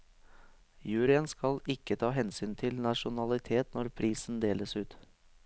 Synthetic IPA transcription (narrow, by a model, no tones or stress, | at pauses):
jʉːɾɪənskɑlɪkːət̪ʰɑːɦɛnsyːnt̪ʰɪlnɑʂʊnɑlɪt̪ʰeːt̪nɔɾpʰɾiːsnd̪eːləsʉːt̪